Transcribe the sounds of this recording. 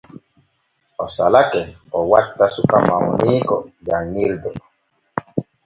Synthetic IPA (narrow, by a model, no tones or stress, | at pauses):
ɔsalakɛ | ɔwatːasukamaɔniːkɔd͡ʒanːildɛ